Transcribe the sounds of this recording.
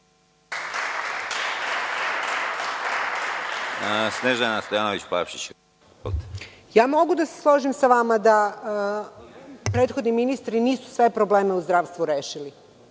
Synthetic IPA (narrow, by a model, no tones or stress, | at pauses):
sneʒanast̪ojaːnoʋit͡ɕpapʃit͡ɕ | olt̪ | jaːmo̞ɡud̪aseslˠoʒimsaʋamad̪a | pɾeːt̪xo̞d̪niminist̪ɾiniːsu̥sʋe̞pɾoble̞ːme̞uzd̪ɾaːʋst̪ʋuɾeːʃili